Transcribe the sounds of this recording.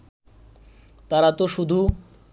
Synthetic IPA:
t̪aɾat̪oʃud̪ʱu

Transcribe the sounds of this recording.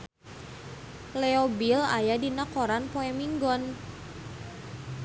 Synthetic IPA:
lɛobila̰jadinakoɾanpoɛmiŋɡɔn

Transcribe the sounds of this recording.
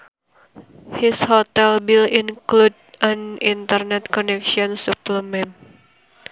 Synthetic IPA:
hishot̪ɛlbilinklud | ãnint̪ərnɛt̪̚kɔnɛkʃiɔnsupləmɛn

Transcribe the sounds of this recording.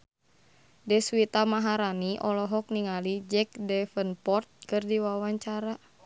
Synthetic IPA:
dɛswit̪amaɦaɾaniʔɔlɔɦɔk̚niŋalid͡ʒɛk̚dɛfənpɔrt̪̚kɨrdiwawaɲt͡ʃaɾa

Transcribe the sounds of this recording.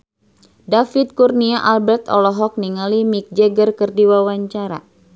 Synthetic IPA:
dafit̪̚kurniaʔalbɛrt̪ɔ̰lɔɦɔk̚niŋalimik̚d͡ʒɛɡərkərdiwawaɲt͡ʃaɾa̰

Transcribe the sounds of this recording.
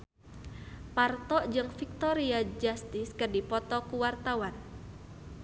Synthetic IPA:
part̪ɔʔd͡ʒɨŋfik̚t̪ɔɾiad͡ʒast̪ɪskərdipɔt̪ɔkuwart̪awan

